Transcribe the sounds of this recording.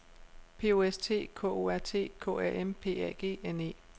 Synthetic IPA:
pʰe̝̰ːo̝ːest͡sʰe̝̰ːkʰɔ̰ːo̰æɐ̰t͡sʰe̝̰ːkʰɔ̰ːæɐʔempʰe̝̰ːæ̰ɡ̥e̝̰ːene̝̰ː

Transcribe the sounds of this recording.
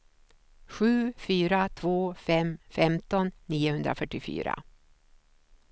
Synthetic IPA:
ɧʉ̟ːfyːɾat̪ʰvoːfɛmfɛmt̪ɔnːiːʊhɵnd̪ɾa̰fœʈːɪfy̰ːɾa̰

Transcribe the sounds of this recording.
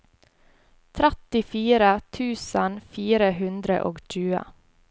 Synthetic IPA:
t̪ʰɾæt̪ɪfiːɾət̪ʰʉːsənfiːɾəhʉnd̪ɾə̰ʔoːɡʃʉːə̰

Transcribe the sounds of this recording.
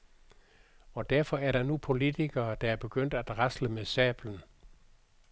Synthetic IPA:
ɒ̽d̥æɐfɒ̽æɐɾ̥ɑ̈nupʰo̝lit͡sʰiɡ̥ɐːd̥ɑ̈æɐb̥e̝ɡ̥øn̰d̥æd̥ʁasləmesɛ̰ːb̥lən̩

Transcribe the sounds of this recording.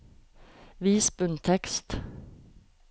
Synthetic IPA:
viːsbɵnt̪ʰɛkst̪

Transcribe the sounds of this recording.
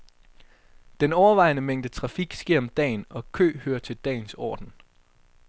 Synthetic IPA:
d̥enɒʊɐʋɑ̈ɪnəmeŋ̰d̥ət͡sʰʁɑ̈fiɡ̥sɡ̥eɐ̰ɒ̽md̥ɛ̰ːnɒ̽kʰø̰ːhøːɐt͡sʰe̝ld̥ɛ̰ːnsɒ̰ːd̥n̩

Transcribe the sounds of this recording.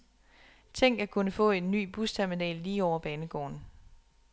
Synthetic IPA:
t͡sʰeŋ̰ɡ̥æɐkʰunəfɔ̰̽ːe̝nːy̰ːb̥ust͡sʰæɐminɛ̰ːlːiːɒʊ̰ɐb̥ɛːnəɡ̥ɒ̰ːn

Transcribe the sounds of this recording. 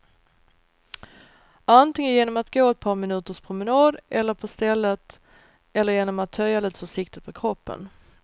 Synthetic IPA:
ʔant̪ɪŋənjeːnɔmat̪ɡoːɛt̪̚pʰɑːɾmɪnʉ̟ːt̪əʂpʰɾʊmɪnɑːd̪ʔɛlːəɾpʰɔst̪ɛlːət̪ | ɛlːəɾjeːnɔmat̪ʰːœjːaliːt̪ə̥fœʂɪk̚t̪ɪt̪̚pʰɔkʰɾɔpːə̰n

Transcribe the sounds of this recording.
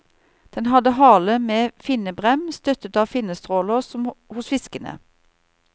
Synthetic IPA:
d̪̥ɛnhɑd̪əɦɑːləmeːfɪnəbʁɛmst̪œt̪ət̪ɑːfɪnəst̪ʁoːləʁsɔmhʊsfɪskənə̰

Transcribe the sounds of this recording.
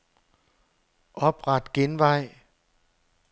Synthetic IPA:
ʔɔp̚ɣat̪̚kinwaj

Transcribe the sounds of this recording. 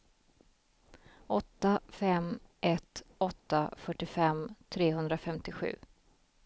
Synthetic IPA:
ʔɔt̪ːafɛmʔɛt̪ɔt̪ːafœʈːɪfɛmt̪ʰɾeːɦɵnd̪ɾafɛmt̪ɪɧʉ̟̰ː

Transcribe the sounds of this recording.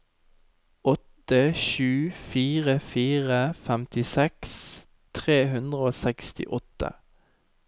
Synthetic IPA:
ɔt̪əʃʉːfiːʁəfiːʁəfæmt̪ɪsɛks | t̪ʰʁeːhʉnd̪ʁəoːsɛkst̪ɪ̰ʔɔt̪ə̰

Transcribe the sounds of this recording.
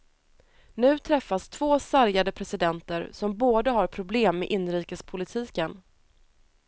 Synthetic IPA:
nʉ̟ːt̪ʰɾɛfːast̪ʰvoːsaɾjad̪əpʰɾɛsɪd̪ɛnt̪əɾsɔmboːd̪əɦaɾpʰɾʊbleːmːḛːʔɪnːɾiːkəspʰʊlɪt̪ʰiːkən

